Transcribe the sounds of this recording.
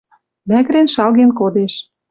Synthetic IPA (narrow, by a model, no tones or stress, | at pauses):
mækɾenʃɑlɣenkod̪eʃ